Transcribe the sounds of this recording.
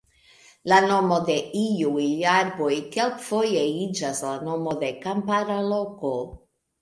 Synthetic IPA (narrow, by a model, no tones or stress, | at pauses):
lano̞mo̞d̪e̞iujaɾbo̞jkelkfojeid͡ʒaslanomo̞d̪e̞kampaɾalo̞ko